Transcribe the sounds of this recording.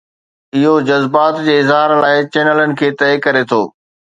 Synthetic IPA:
ɪɦod͡ʑɐzbaːt̪d͡ʑeːɪzɦaːɾlaːɪt͡ɕeːnələnɪ̆kʰeːt̪ɐɪkɐɾet̪ʰoː

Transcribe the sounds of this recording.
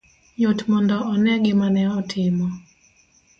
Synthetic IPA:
ɲotmɔndɔʔɔnɛɡɪmanɛɔtʰɪmɔ

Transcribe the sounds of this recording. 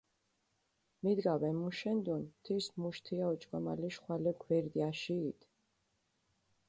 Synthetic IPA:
mid̪ɡawɛmuʃɛnd̪unt̪ʰiɾsmuʃt̪ʰiaɔt͡ʃʼkʼɔma̰liʃχwalɛɡwɛɾd̪iaʃiːt̪ʰ

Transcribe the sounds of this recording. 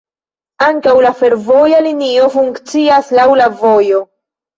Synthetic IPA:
aŋkawlafe̞ɾvo̞jalinio̞fuŋkt͡siaslawlavo̞jo̞

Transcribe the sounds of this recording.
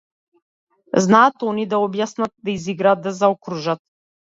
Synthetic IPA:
znaːt̪ɔnid̪aɔbjasnat̪̚d̪aiziɡɾaːt̪ːazaɔkɾuʒat̪̚

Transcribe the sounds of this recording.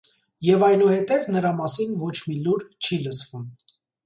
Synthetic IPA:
jɛvɑjnuhɛt̪ɛvnəɾɑmɑsinvɔt͡ʃʰmiluɾt͡ʃʰiləsv̥um

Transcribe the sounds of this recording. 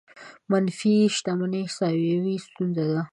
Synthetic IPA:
manfiʃt̪amanesɑwawist̪unzad̪a

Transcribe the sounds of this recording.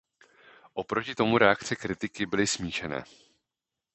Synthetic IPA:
ʔo̞pɾo̞cɪt̪o̞muɾɛakt͡sɛkɾɪt̪ɪkɪbɪlɪsmiːʃɛnɛ̰ː

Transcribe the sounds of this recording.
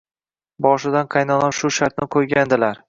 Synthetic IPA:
bɒʃɪd̪anqʰɑjnɒnapʃʊʃaɾt̪̚nɪqʰojɡʲand̪ɪlaɾ

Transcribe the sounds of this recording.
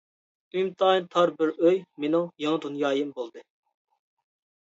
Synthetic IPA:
ymt̪ʰɑːint̪ʰɑɾbɪɾøjmenɪŋjɑŋd̪unjɑːjɨmbolˠd̪ɨ

